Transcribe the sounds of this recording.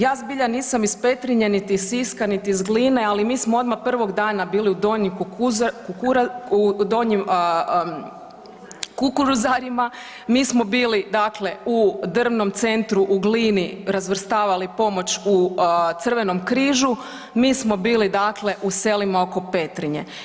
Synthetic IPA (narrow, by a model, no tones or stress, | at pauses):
jaːzbiʎaniːsamispe̞t̪ɾiɲenit̪issiskanit̪iːzɡliːne̞alimiːsmoo̞d̪mapr̩ʋo̞ɡd̪aːnabiːliud̪oɲikukkukuɾd̪oɲim | kukuɾuzaɾima | miːsmo̞biːlid̪akle̞ud̪r̩ʋno̞mt̪se̞nt̪ɾuʔuɡliːniɾazʋr̩st̪aːʋalipo̞mo̞t͡ɕut̪sər̩ʋe̞no̞mkɾiːʒu | miːsmo̞biːlid̪akle̞ʔuse̞limao̞ko̞pe̞t̪ɾiɲe̞̰